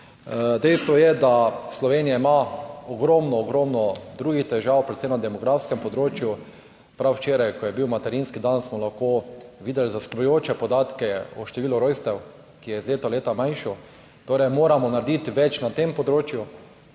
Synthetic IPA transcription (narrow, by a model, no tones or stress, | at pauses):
d̪ɛjst̪ʋɔjɛd̪aslɔʋeːnijaimaɔɡɾɔmnɔːɡɾɔmnɔd̪ɾuːɡixt̪ɛʒawpɾɛt̪sɛmnad̪ɛmɔɡɾafskɛmpɔd̪ɾoːt͡ʃju | pɾawt͡ʃeːɾajkɔjɛbiwmat̪ɛɾinskid̪ansmɔlaxkoʋiːd̪ɛlzasklujoːt͡ʃɛpɔd̪aːt̪kɛɔʃt̪ɛʋiːlʊɾojst̪ɛw | kijɛizleːt̪ɔleːt̪amãjnʃɔ | t̪oːɾɛjmoːɾamɔnaɾd̪it̪ʋɛt͡ʃnat̪empɔd̪ɾoːt͡ʃju